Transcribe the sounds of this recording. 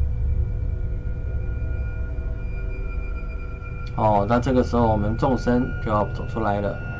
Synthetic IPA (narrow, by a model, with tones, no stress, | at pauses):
xɔ˨˧˩ʊna˥˧ʈ͡ʂɤ˥˩ɡə˩ʂɻ̩˧˥xo˧ʊwɔ˨˩mə˧˦nʈ͡ʂʊ˥˩ŋʂə˥nt͡ɕo˥˧jɑ˥˩ʊt͡so˨˩ʊʈ͡ʂʰu˥la˧˥ɪlə̰˧˨